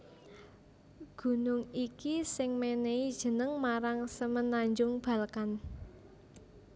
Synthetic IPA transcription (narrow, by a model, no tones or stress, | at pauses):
ɡ̥ṳnʊŋikisɪŋmeneid̥ʒ̥ə̤nəŋmaɾaŋsəmənaɲd͡ʒʊŋb̥a̤lkan